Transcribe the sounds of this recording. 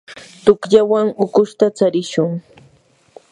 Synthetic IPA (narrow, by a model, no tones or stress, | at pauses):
t̪ʊkʎawaŋʊkʊʃt̪at͡saɾɪʃʊŋ